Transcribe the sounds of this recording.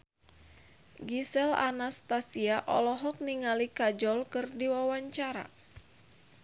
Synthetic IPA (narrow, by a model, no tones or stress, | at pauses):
ɡisɛla̰nast̪asiaʔɔ̰lɔɦɔk̚niŋalikad͡ʒɔlkɨrdiwawaɲt͡ʃaɾa̰